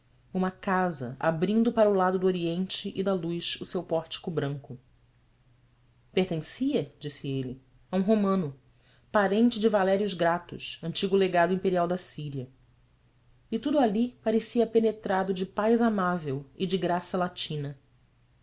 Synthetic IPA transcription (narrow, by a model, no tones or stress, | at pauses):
ũmɐkazɐ̰ʔa̰bɾĩnd̪ʊpaɾɐʊlad̪ʊd̪uoɾiẽnt͡ʃɪʔɪd̪ɐlujʃusewpɔɾt͡ʃi̥kʊbɾɐ̃ŋkʊ | peɾt̪ẽsiɐd͡ʒisɪelɪ | aũɦomɐ̃nʊ | paɾẽnt͡ʃɪd͡ʒɪvalɛɾiʊzɡɾat̪ʊ̰ʃɐ̃nt͡ʃiɡʊleɡad̪ʊĩmpeɾiawd̪ɐsiɾiɐ | ɪt̪ud̪ʊalipaɾesiɐpenet̪ɾad̪ʊd͡ʒɪpajzamavewɪd͡ʒɪɡɾasɐlat͡ʃĩnɐ